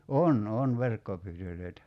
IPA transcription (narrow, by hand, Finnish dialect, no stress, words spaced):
on on ʋerkːopyːtølˑøi̞tæ